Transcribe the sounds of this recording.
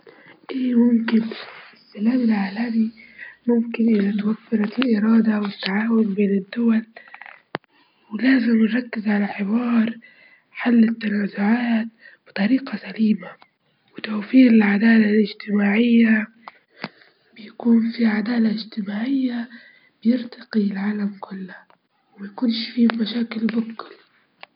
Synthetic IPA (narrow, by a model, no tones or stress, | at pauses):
ʔeːmʊmkɪnɪsːalaːmɪlʕaːlamimʊmkɪnʔɪðat̪awafːɪɾɑɪlʔɪɾˤɑːd̪awɪt̪ːaʕaːwʊnbeːnɪd̪ːʊwal | wɪlaːzɪmnɾˤɑkːɪzʕalaħɪwɑːɾˤ | ħalːɪt̪ːanaːzʊʕaːt̪̚b̥ɨ̥t̪ˤɑɾiːqɑsaliːma | wɪt̪owfiːɾɪlʕad̪aːlalɪd͡ʒt̪ɪmaːʕɪjːa | bɪjakuːnfiʕad̪aːlaɪd͡ʒt̪ɪmaːʕɪjːa | b̥ɪjɪɾt̪ɑqilʕaːlamkʰʊlːa | wɪmajakuːnʃfiːmaʃaːkɪlbʊkːɪl